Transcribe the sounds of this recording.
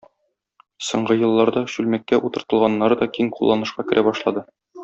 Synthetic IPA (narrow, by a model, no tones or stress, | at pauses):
sŏɴɢɤjɤ̆lˠːɑɾd̪ɑɕʉlmækːæʔut̪ɤ̆ɾt̪ɤ̆lˠʁɑnːɑɾɤd̪ɒkiŋqulˠːɑnɤ̆ʃqɑkɘ̆ɾʔæbɒʃlˠɑd̪ɤ